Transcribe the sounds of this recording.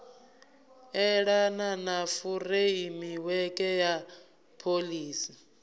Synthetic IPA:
ɛɺananafureimiwɛkʼɛja | pʰoliːsi

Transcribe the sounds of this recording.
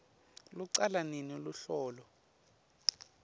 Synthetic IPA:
luǀalaniniuluɬɔːlɔ

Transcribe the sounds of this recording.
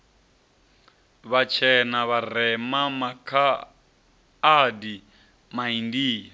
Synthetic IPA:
βat͡ʃʰɛnaβarɛmamakʰa | di | maindiːja

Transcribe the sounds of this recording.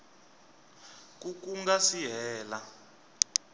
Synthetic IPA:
k̬ukuŋɡasiɦɛːla

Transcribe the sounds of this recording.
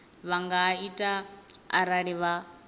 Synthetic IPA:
βaŋɡaitʼaa̰ɾaɺiβa

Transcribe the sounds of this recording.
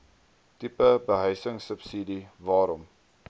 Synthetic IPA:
tipəbəɦœjsəŋsəpsidivɑːɾɔm

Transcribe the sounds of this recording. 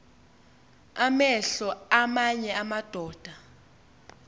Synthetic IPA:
amɛɬɔamaɲɛamad̥ʱɔːd̥ʱa

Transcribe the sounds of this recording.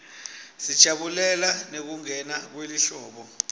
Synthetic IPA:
si̥t͡ʃʼaɓulɛlanek̬uŋɛnak̬weliɬɔːɓɔ

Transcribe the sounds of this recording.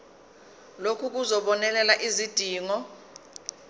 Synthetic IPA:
lokʰuk̬uzɔɓɔnɛlɛlaʔizid̥ʱiːŋɔ

